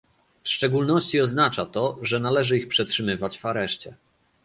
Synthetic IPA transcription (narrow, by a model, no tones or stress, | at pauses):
fʂt͡ʂɛɡulnɔɕt͡ɕiɔznat͡ʂat̪ɔʐɛnalɛʐɘixpʂɛtʂɘmɘvat͡ɕvaɾɛʂt͡ɕɛ